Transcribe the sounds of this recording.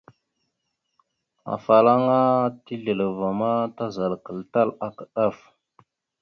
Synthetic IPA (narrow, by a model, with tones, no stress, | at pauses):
a̰˨fa˨la˦ŋa˦ti˦ɮə˨lə˨va˨ma˦ta˦za˨lkə˨lta˦la˨kə˨ɗa˦f